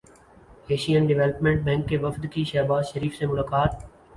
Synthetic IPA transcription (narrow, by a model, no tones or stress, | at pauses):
eːʃijənɖɪʋeːləpmẽɳʈ̚bɛ̃ːŋkːeʋəfd̪kiʃɛːbaːzʃəɾiːfsemʊlaːkaːt̪̚